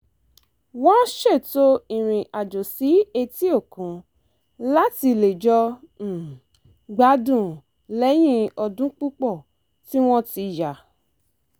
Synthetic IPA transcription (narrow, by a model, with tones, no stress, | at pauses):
wɔ̃˦ʃe˦˨to˦ĩ˨ɾ̃ĩ˨ʔa˨d͡ʒo˨si˨˦e˧ti˦o˦˨kũ˨˦ | la˦ti˧le˨d͡ʒɔ˧˨ | ɡ͡ba˨˦dũ˦˨ | lɛ˨˦j̃ĩ˦ɔ˧dũ˦k͡pu˦k͡pɔ˦˨ | ti˦w̃ɔ̃˦ti˧ja˨